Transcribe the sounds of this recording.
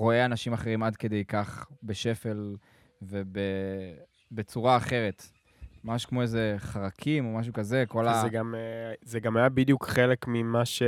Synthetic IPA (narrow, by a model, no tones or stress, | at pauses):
ʁo̞eanaʃimaχe̞ʁimad̪ke̞d̪e̞jkaχbe̞ʃe̞fe̞l | ve̞be | be̞t͡suʁaːχe̞ʁe̞t | mamaʃkmo̞eze̞χaʁakʰimo̞maʃ̬ukaze̞kolaeɡamzeɡamajabid̪jukχelekmimaʃe